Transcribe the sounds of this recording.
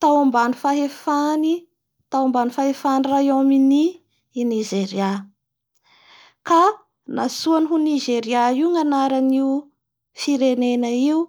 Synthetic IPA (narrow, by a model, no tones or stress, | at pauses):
t̪awambanifaɦefani | t̪awambanifaɦefanirajamini | nizeɾia | ka | nasuanɦuniʒeɾiaiuŋanaɾaniu | fiɾenenəiu